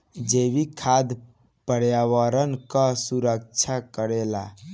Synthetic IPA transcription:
d͡ʒeʋikʰad̪ | pəɽjaʋəɾənkasuɾək̚t͡ʃʰakəɾela

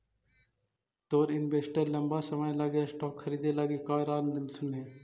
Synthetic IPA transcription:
t̪oːɾɪnbeːsʈəɾləmbaːsəʋajlaːɡjaːsʈoːkʰːəɾiːd̪eːlaːɡeːkaːɾaːnd̪ɪnsʊnɦeː

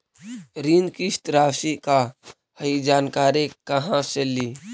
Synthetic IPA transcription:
ɾind̪kist̪ɾaːsika | həid͡ʒaːnkaːɾekəɦãseli

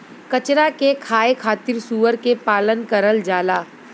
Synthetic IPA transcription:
kɐt͡ʃɾakekʰaːekʰaːt̪ɪɾsuːʋəɾkepaːlənkəɾəld͡ʒaːlaː

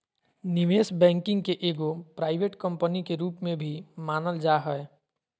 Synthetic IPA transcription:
nɪʋeːsbɛ̃ːŋkɪ̃ŋɡkeʔeːɡopɾaːɪbʱeʈkə̃mpənikeɾuːpmẽbʱimaːnəld͡ʒaɦəe

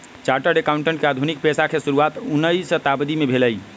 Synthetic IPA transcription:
t͡ʃaɾʈəɖekauɳʈeɳʈkead̪ʱunik̚pesakʰesuɾuat̪unːəjsət̪abd̪imebʱeləj

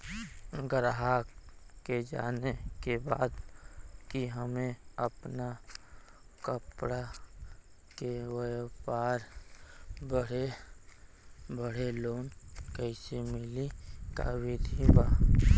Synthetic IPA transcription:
ɡəɾɦakked͡ʒa̰ːnekebaːd̪kiɦəmeəpna | kəpɽa | kewəpaːɾ | bəɽe | bəɽ̤eloːnkəɪsemɪlika̰wid̪ʱibaː

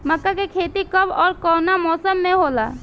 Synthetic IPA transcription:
məkːakekʰeːt̪ikəbɔːɾkɔːnamɔːsəmːẽɦoːla̰

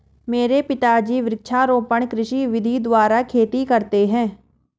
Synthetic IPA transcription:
meːɾeːpɪt̪aːd͡ʒiːʋɾɪkʃaːɾõːpəɳkɾɪʃiːʋɪd̪ʱiːd̪ʊaːɾaːkʰeːt̪iːkəɾt̪eːɦɛ̃ː

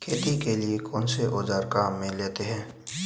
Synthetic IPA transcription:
kʰeːt̪ikeliekɔːnseʔoːd͡ʒaːɾkaːmːẽleːt̪eɦɛ̃ː

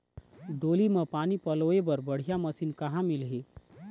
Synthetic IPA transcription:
ɖoːlimẽpaːnipɐloːebəɾbɐɽ̤ijamɐsiːnkɐɦãmɪlɦe

